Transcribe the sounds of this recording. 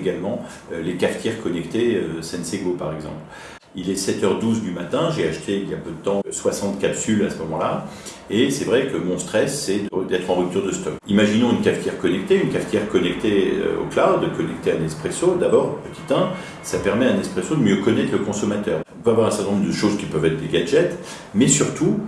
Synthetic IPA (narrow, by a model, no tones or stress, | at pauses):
eɡalmɑ̃ | ølekaft̪ʰjɛʁkɔnɛkt̪eøsɛ̃nseɡopaʁɛɡzɑ̰̃pl | ilɛsɛt̪œʁd̪uzd̪ymat̪ɛ̃ʒeaʃt̪ʰeilja̰pød̪ət̪ɑ̃swasɑ̃t̪kapsylasəmɔmɑ̃la | esɛvʁɛkəmɔ̃st̪χɛsːɛd̪əd̪ɛt̪χɑ̃ʁyp̚t̪yʁd̪əst̪ɔkimaʒinɔ̃ynkaft̪jɛʁkɔnɛk̚t̪eynkaft̪jɛʁkɔnɛkt̪eø̰o̰klad̪əkɔnɛkt̪eɛ̃nɛspχesod̪abɔʁpət̪it̪ɛ̃ | sapɛʁmɛaɛ̃nɛspχesod̪əmjøkɔnɛt̪χləkɔ̃sɔmat̪œːʁɔ̃pøavwaʁɛ̃sɛʁt̪ɛnɔ̃md̪əʃozkʲipœvɛt̪̚d̪eɡʲaʒɛt̪ | mɛsyʁt̪u